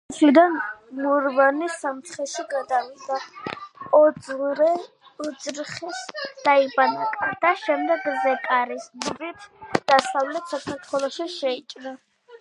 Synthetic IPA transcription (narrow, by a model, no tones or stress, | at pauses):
sʰlid̪anmuɾvanisamt̪sʰχɛʃiɡad̪avida | ɔɾɛ | ɔd̪zɾχɛsd̪̥aibanakʼad̪̥aʃɛmd̪ɛɡzɛkʼaɾisdbit̪ʰd̪̥asavlɛt̪ʰsakʰaɾt̪ʰwɛlˠɔʃiʃɛit͡ʃʼna